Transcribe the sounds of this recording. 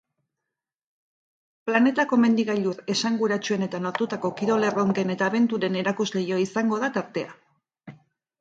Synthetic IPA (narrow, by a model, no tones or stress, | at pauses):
plane̞t̪ako̞me̞nd̪iɣajʎuɾe̞saŋɡuɾat͡ʃue̞ne̞t̪ano̞ɾt̪ut̪ako̞kiɾo̞le̞ro̞ŋke̞ne̞t̪aːβe̞nt̪uɾe̞ne̞ɾakuzle̞jo̞isaŋɡo̞ðat̪aɾt̪e̞a